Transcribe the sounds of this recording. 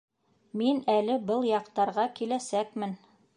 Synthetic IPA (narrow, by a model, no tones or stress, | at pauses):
minælɘbɤlˠjɑqt̪ɑɾʁɑkilæsækmɘn